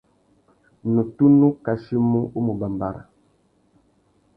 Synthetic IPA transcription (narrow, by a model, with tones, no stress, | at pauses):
nu˨tu˦nu˦ka˨ʃi˦mu˦ʔu˦mu˨ba˨mba˨ɾa̰˨